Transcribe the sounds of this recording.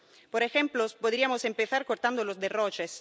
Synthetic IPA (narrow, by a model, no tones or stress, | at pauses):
poɾexemplospod̪ɾiamosempeθaɾkoɾt̪and̪olozd̪erot͡ʃes